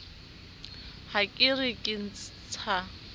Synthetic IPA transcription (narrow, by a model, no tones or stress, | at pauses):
hakʼɪrɪkʼɪn̩t͡st͡sʰa